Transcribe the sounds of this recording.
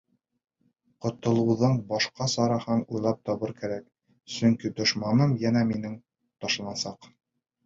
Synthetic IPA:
qŏt̪ŏlˠɤ̆wðɤɴbɑʃqɑsɑɾɑhɑnujlˠɑp̚t̪ɒβɤɾkæɾæk | sɵ̆ŋkid̪ŏʃmɑnɤmjænæminɘŋ | t̪ɒʃɤ̆nɑsɑq

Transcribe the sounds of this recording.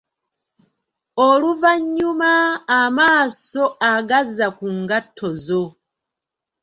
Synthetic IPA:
oluvaɲːumaːmaːso̞aɡazakuŋɡatʰːozo

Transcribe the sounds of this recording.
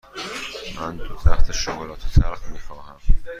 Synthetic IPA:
mænt̪æht̪ʰeʃoɣlɒːt̪ʰet̪ʰæɾqmiːxɒːhæm

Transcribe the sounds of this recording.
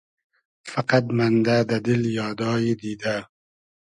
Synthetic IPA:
faqat̪mand̪ad̪ad̪ɪljɑːd̪ɑːjid̪iːd̪a

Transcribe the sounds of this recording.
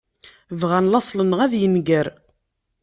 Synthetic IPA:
vʁænlɑsˤlənəʁæðjənɡəɾ

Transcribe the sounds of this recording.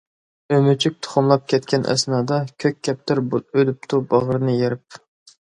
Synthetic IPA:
ømyt͡ʃʰyk̚ʲt̪ʰʊ̥χʊmlˠɑp̚kʲʰɛt̪kʲɛnʔɛ̰snɑːd̪ɑkʲʰøkʲʰːɛp̚t̪ʰɪɾbød̪yp̚t̪ʰubɑʁəɾɨnɨjeɾɪp̚

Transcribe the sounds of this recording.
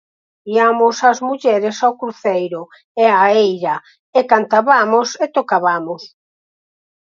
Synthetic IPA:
iamʊsazmuʎɛɾɪsawkɾuθejɾʊ | eaejɾɐ | ekant̪aβamʊset̪okaβamʊs

